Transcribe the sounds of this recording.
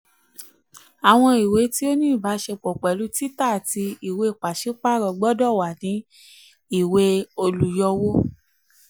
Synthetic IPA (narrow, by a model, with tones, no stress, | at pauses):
a˨w̃ɔ̃˧i˨we˨˦ti˦o˦nĩː˦˨ba˨˦ʃe˧k͡pɔ˨k͡pɛ˨lu˨˦ti˦ta˦˨ti˧i˨we˧˨k͡pa˨ʃi˦k͡pa˦˨ɾɔ˧ɡ͡bɔ˦dɔ˦˨wa˨nĩ˨˦ | i˦˨we˧o˧lu˨jɔ˧wo˦